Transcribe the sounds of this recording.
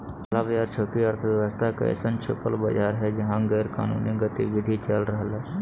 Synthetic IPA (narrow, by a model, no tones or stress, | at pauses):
ɐlabɐd͡ʒaːɾt͡ʃʰoːkiəɾt̪ʰəʋjəʋəst̪ʰakɐ̰ḛsənt͡ʃʰo̰ːpəlbɐd͡ʒaːɾɦɛd͡ʒɐɦãɡeːɾka̰ːnṵːniɡət̪iʋɪd̪ʱit͡ʃəlɾəɦəlɦɛː